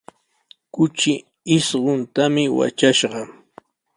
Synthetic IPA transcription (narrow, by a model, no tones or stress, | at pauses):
kʊt͡ʃɪ | ɪsɢʊnt̪amɪwa̰t͡ʃaʃɢɑ